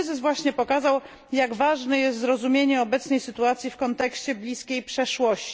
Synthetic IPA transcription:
zɘsvwaɕɲɛpɔkazaw | jaɡvaʐnɛjɛst̪zɾɔzumʲjeɲɛɔbɛt̪snɛjsɘt̪uat̪sʲjifkɔnt̪ɛkɕt͡ɕɛblʲiskʲejpʂɛʂwɔɕt͡ɕ

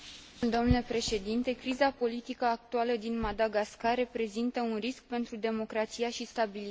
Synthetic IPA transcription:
d̪oomnlepɾe̞ʃe̞d̪int̪e̞kɾizapo̞lit̪ikəak̚t̪ualəd̪inmad̪aɡaskarre̞pɾe̞zint̪əunrisk̚pe̞nt̪ɾud̪e̞mo̞kɾat̪sijaʃist̪abili

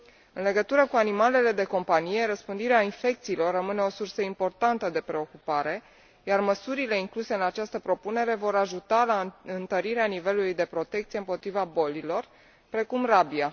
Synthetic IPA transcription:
ɨnle̞ɡət̪uɾəkuanimale̞le̞d̪e̞ko̞mpanije̞ɾəspɨnd̪iɾeainfe̞kt̪siːlo̞rːəmɨne̞o̞sursəimpo̞rt̪ant̪əd̪e̞pɾe̞o̞kupaɾe̞ | jarməsuɾile̞iŋkluse̞ɨnat͡ʃast̪əpɾo̞pune̞ɾe̞vo̞ɾaʒut̪alaɨnt̪əɾiɾeanive̞lulujd̪e̞pɾo̞t̪e̞k̚t̪sije̞ɨmpo̞t̪ɾivabo̞lilo̞r | pɾe̞kumrabia

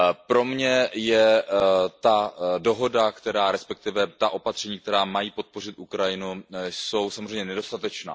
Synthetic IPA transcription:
pɾo̞mɲɛjɛ | t̪ado̞ɦo̞dakt̪ɛɾaːɾɛspɛk̚t̪ɪvɛt̪aʔo̞pat̪r̥ɛɲiːk̚t̪ɛɾaːmajiːpo̞t̪̚po̞rɪt̪ʔukɾajɪnuso̞wsamozrɛjmɲɛnɛdo̞st̪at̪ɛt͡ʃna̰ː

